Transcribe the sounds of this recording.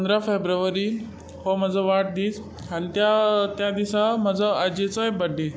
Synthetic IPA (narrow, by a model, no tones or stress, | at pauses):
ənd̪ɾafebɾəʋəɾi | ɦɔməd͡zʱəʋaʈ̚d̪iːt͡s | anit̪jat̪jad̪isaməd͡zʱəad͡ʑet͡səjbəɖʱe